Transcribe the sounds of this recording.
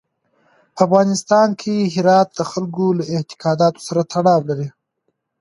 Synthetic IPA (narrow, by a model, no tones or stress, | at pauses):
afɣɑnɪst̪ɑnkʰeɦɪɾɑt̪̚d̪əxalɡolaɪht̪ɪ̥kɑd̪ɑt̪o̥saɾat̪ʰaɽɑwlaɾi